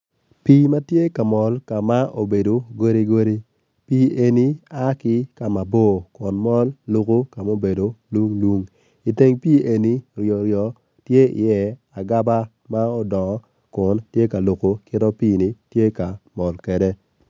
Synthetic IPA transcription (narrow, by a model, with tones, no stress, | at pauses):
piː˦ma˦tje˦ka˨mɔ˨lka˨ma˦ʔo˨be˨do˨ɡo˦ɾi˦ɡo˦ɾi˦ | pi˦e˨ni˦a˦kɪ˦ka˨ma˨bo˦˨kʊ˨nmɔ˦lːo˦˨ko˦ka˨mo˦be˨do˨lu˦ŋlwu˦ŋ | i˨te˦ŋpiː˦ʔe˨ni˦ɾjɔ˨ɾjɔ˨ | tje˦ɪ̰˨jɛ˦a˨ɡa˦ba˦ | ma˦ɔ˦dɔ˨ŋɔ˨˦ | kʊ˨ntje˦ka˨lo˨ko˨kɪ˦tɔ˦piː˦ni˨tje˦ka˨mɔ˨lkɛ˨de˦